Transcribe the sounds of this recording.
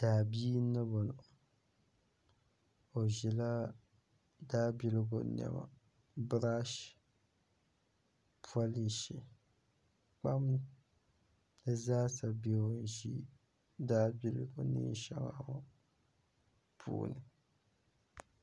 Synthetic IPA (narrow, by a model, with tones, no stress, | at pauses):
d̥aː˨biː˦nːɨ˦bo˨nʊ˨ | o˨ʒɛ˨la˦ | daː˦bi˨lɨ˦ɡo˨nɛ̰˨ma̰˨ | bɨ˦ɾa˦ʃ | pʰu˦a˦li˨ʃi˨ | k͡pa˦m˦ | dɨ˦zaː˦sa˨bɛ˨o˨n˨ʒi˦ | daː˦bi˦lɨ̰˨ɡo˦nḭ˦n˦ʃa˦ŋa˨wa˦ | pʰṵː˨nɨ˨